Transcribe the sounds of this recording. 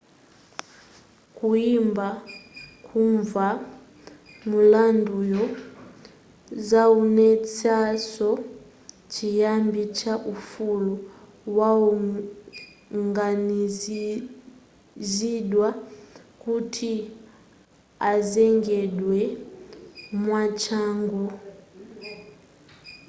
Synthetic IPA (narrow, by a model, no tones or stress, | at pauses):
kuimbakʰuɱva | mulandujɔ | zaunɛt͡sasɔ | t͡ʃijambit͡ʃaʔufulu | waɔ | ŋɡani | ziɗwakutʰi | azɛŋɡɛɗwɛ | mwat͡ʃaŋɡu